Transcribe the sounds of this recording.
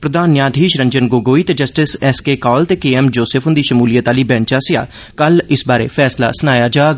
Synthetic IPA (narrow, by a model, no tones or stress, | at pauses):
pɾəd̪aːnjaːd̪ʱiːʃɾə̃ɲd͡ʒənɡoːɡoːiːt̪ed͡ʒəsʈɪsɛskeːkɔːlt̪eːkeːɛːmd͡ʒoːsepʰɦʊ̃nd̪iːʃəmuːlijət̪aːliːbɛ̃ːnt͡ʃaːsɪja̰ː | kəlɪsbaːɾḛːpʰɛːsla̰ːsənaːjaːd͡ʒaː